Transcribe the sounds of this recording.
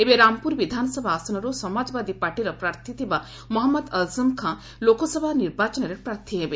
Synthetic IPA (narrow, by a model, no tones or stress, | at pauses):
ebeɾampuɾʋid̪ʱansəbʱaːsɐnəɾosəmad͡ʒʋad̪ʱipaɾʈiɾɐpɾaɾt̪ʰit̪eʋa | mɔɦɐmːəd̪ɐlzəmkʰã | lokosəbʱaniɾbʱat͡ʃənəɾepɾaɾt̪ʰiɦeʋe